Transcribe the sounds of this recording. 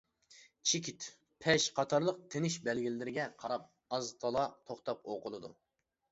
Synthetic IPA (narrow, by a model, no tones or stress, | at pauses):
t͡ʃʰikʲit̪ | pʰɛʃqʰɑt̪ʰɑɾlˠəq̚t̪ʰenɪʃbɛlɡʲilɪɪɾɪɡʲɛqʰɑɾɑp̚ | ɑzt̪ʰɑlˠɑt̪ʰoχt̪ʰɑp̚oqʊlˠɨd̪u